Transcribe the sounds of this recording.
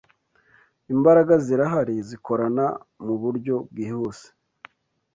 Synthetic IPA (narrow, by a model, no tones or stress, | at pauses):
imbaɾaɡaziɾaɦaɾiziko̞ɾanamuβuɾɟo̞b̚ɡiːhuːse̥